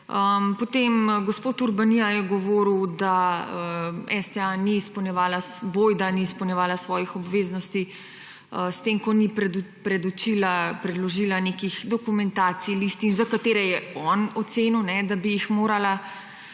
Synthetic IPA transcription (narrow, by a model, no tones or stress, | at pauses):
əmpɔt̪emɡospoːt̪uɾbanijajɛɡɔʋoːɾiwd̪aəɛst̪ɛaniːspəwnjɛʋaːlasbojd̪aniːspəwnjɛʋaːlasʋɔːjixɔbʋeːznɔst̪i | əst̪eːmkɔnipɛpɾɛd̪ut͡ʃilapɾɛd̪lɔʒiːlanekixd̪ɔkumɛnt̪aːt̪sijliːst̪iːnzakat̪eːɾɛjɛɔnɔt̪seːnuwnɛd̪abijixmoːɾala